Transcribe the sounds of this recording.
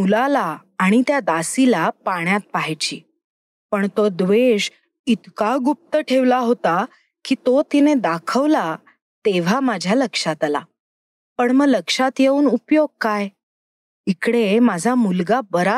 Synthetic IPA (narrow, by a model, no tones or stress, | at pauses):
mulalaː | ɽ̃it̪jad̪asilapaɳ̃jat̪̚paɦjt͡ɕiː | pəɳt̪od̪ʋeɕ | it̪kaɡup̚t̪əʈʰeʋlaɦot̪a | kiːt̪ot̪ined̪akʰəʋla | t̪eʋ̤amad͡ʑʱjaləkʂat̪ala̰ | pəɳməɡləkʂat̪jeuːnupjoɡ̚kaj | ikɽemad͡zʱamulɡabəɾa